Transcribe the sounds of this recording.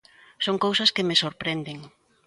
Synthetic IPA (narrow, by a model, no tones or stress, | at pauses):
soŋkowsɐskemesoɾpɾend̪eŋ